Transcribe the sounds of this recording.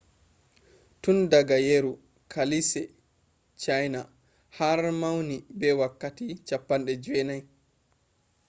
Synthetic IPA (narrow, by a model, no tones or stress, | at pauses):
tundaɡajeɾu | kʰalisɛ | t͡ʃajna | haɾmawnibɛwakːatit͡ʃapːanɗɛd͡ʒwɛnaj